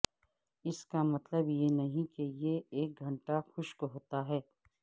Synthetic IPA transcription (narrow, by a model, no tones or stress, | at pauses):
ɪskamɐt̪ləbjenɐɦĩkejeeːk̚ɡʱɐ̃ɳʈaxʊʃkoɦoːt̪aɦɛː